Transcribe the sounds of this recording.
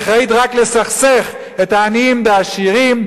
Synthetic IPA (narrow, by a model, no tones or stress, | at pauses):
χaid̪ʁaklesaχse̞χ | et̪aːniimdeaʃiʁim